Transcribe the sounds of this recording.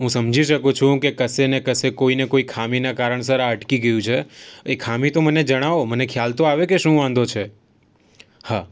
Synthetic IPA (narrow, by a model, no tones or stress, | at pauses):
ɦũsəmd͡ʒʱiʃəkũt͡ʃʰũkekəsenekəsekoinekoikʰaminakaɾəɳ̃s̬əɾaəʈkiɡəjũt͡ʃʰeekʰamĩt̪oməned͡ʒəɽ̃aomənekʰjalt̪oaʋekeʃũʋãn̆d̪ot͡ʃʰe | ha